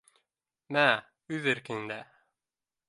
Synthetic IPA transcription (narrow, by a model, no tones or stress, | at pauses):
mæ | ʉðɘɾkɘ̆ŋɘ̆nd̪æ